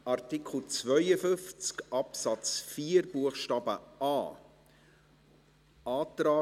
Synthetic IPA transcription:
ɑrt̪ikʰχl̩t͡svœjəfʏnft͡skʔɑpsɑt͡sfiːəɾbuəχʃtɑːbə̰ɑː | ʔɑːt̪ɾaː

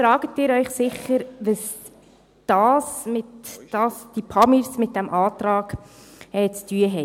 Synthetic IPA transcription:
fɾɑːɡ̥ətɪːɾœʏχsɪχəɾʋəs | d̥ɑːsmɪtd̥ɑːsd̥ipʰɑmiɾsmɪt̚d̥æmʔɑːtrɑːɡ | ɛːt͡styəɦɛ

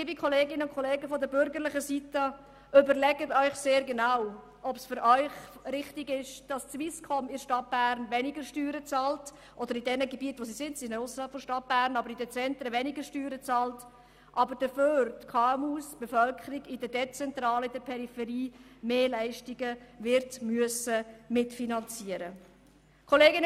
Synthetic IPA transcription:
ɪbikʰχɔleːɡɪnəʊnkʰɔleːɡəfɔdəbʏɾɡəɾlɪχəsitə | ʏbəɾlɛɡətœʏχseːɾɡɛnaw | ʔɔpsfʏɾœʏχɾɪχtɪɡɪʃd̥ɑst͡sʋiskʰχɔmɪʃtɑt̚b̥æːɾnʋɛnɪɡəɾʃtyːɾət͡sɑːlt | ʔɔd̥̪əɾidɛnəɡebiətʋosisɪntsɪɛʊsəɾhɑlpfɔʃtɑt̚b̥æːɾnɑbəɾidət͡sɛntɾəʋɛniɡəɾʃtyːɾət͡sɑːlt | ʔɑbəɾd̥əføːɾtkʰɑːɛmuːsb̥efœlkʰəɾiɡɪdədɛt͡sɛntɾɑːləɪdəɾpʰɛɾifɛɾiːmeːlæɪʃtiɡəvɪɾtmyəsəmɪtfinɑnt͡siəɾə | kʰoleːɡɪn

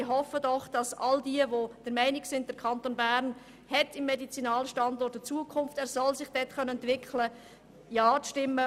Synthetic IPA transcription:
ɪɦɔfədɔχd̥ɑsɑldiəvod̥əɾmɛɪnɪksɪnd̚d̥əɾkʰɑntoːnbæɾn | hɛtɪmːɛdit͡sinɑːləʃtɑndɔɾrt̚dət͡suəkʰʊnftɛːɾsɔlsɪχd̥ɛtχœnəɛntʋɪkʰχlə | jɑːʃtɪmːə

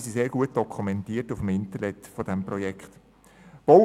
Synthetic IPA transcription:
siseːɾɡ̥uət̚d̥ɔkʰumɛntiːtufəmɪntənɛtfod̥ɛmpʁɔjɛkχt | b̥ɔ

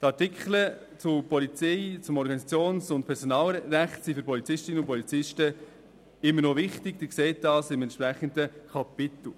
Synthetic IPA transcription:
t̪ɑɾtɪkχlə | t͡sʊpɔlit͡sɛjt͡sʊmɔɾɡɑnisɑt͡sjoːnsʊnt̚pʰɛɾsɔnɑːlɾæχtsifʏɾpʰɔlit͡sɪʃtɪnəʊnpɔlit͡sɪʃtə | ɪmːəɾnoʋɪχtɪɡd̥ɪɾkseːt̚d̥ɑːsɪmɛntpɾæχəndəkʰɑpɪt̪l̩

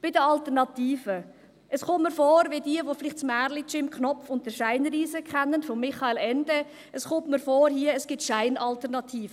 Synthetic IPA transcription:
b̥ɪdəɑltəɾnɑtiːfə | ʔəsχʊmmːəɾfɔːɾʋɪdiəʋofɪlɪχtsmæɾlit͡ʃɪmkχnɔpfʊntdəʃaɪnɾiːzəkχɛnːənfɔmːɪχɑeːlɛnd̥ɛ | ʔəsχʊmtməɾfɔːɾhiːəəsɡ̥ɪtʃaɪnʔɑltəɾnɑtʰiːfə

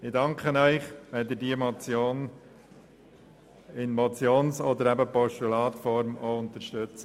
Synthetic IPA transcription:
ɪdɑŋkχənœʏχʋed̪ədiːəmɔt͡sjoːn | ɪnmɔt͡sjoːnsɔd̪əɾæbəpɔʃtulɑːt̪fɔɾmoʊnt̪əɾʃtøt͡sə

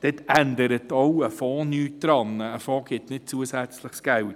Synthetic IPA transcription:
d̥ɛtænd̪əɾətɔwəfɔːnyːtd̥ɾɑnəːfɔːɡ̥ɪtnɪt̚t͡suəsæt͡sləχsɡ̥æwt

